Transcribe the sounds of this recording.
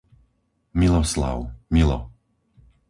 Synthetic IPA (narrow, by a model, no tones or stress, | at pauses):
milɔsla̰ʊmilɔ̰